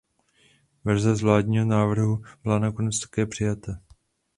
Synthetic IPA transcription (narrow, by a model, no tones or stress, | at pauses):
vɛɾzɛzvlaːdɲiːɦonaːvr̩ɦub̥ɪlanako̞nɛt͡st̪ḁkɛːpr̝̥ɪjat̪a